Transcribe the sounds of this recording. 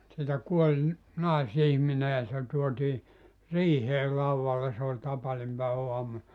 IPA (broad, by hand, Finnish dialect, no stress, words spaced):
sieltæ kuolʲ nɑˑisihmine jɑ se tuotiː riːheː lɑuʋːɑlːe se olʲ tɑpɑnimpæeʋæuɑmu